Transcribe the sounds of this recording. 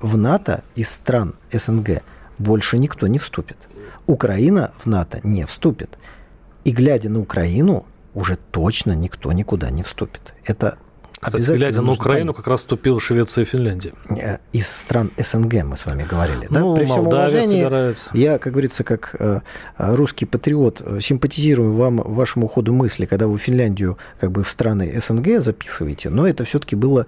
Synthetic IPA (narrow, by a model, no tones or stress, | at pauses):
vnat̪ə̰ɪsːt̪ɾanɛsɛnɡɛ̰bo̞lʲʂɨnʲɪkt̪o̞nʲɪfst̪upʲɪ̥t̪ʊkɾʔɐinəvnat̪ə̰nʲefst̪upʲɪt̪ | iɡlʲædʲənəʊkɾɐinʊ | ʊʐɛt̪o̞t͡ɕnənʲɪkt̪o̞̰nʲɪkʊd̪a̰nʲɪfst̪upʲɪ̥t̪ɛt̪ə̰ | ɐbʲɪzaɡlʲdʲənəkɾɐinʊkɐkɾasst̪ʊpʲilˠəʂvʲet̪sɨjəfʲɪnlʲænʲdʲɪəə̰ɪsːt̪ɾanɛsɛnɡɛmɨ̰sva̰mʲɪɡəvɐɾʲḭlʲɪ̰nappɾʲɪfssomlˠɐvʲenʲɪɪjɾavʲɪt̪sə̥jakak̚ɡəvɐɾʲit̪səkakəɾuskʲɪjpət̪ɾʲɪo̞t̪sʲɪmpətʲɪzʲiɾʊjʊvamvaʂəmʊːxo̞d̪ʊmɨsʲlʲɪkɐɡd̪avɨfʲɪnlʲænʲdʲɪjʊ | kaɡ̚bɨfst̪ɾanɨ̰ʔɛsɛnɡɛzɐpʲi̥sɨvə̰jɪtʲɪ̰no̞ɛt̪əfsʲot̪ə̥kʲɪbɨlˠə